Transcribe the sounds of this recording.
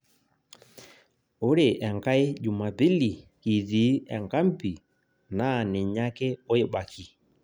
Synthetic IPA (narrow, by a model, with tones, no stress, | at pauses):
o˦ɾe˨ʔɛ˨ŋka˦e˦d͡ʒu˨ma˨bi˦li˨ki˨ði˨˦ɛ˨ŋka˦m̩˦pi˨ | na˦˨nɪ˨ɲa˦kɛ˦o˦e˨ɓa˨kʰi˨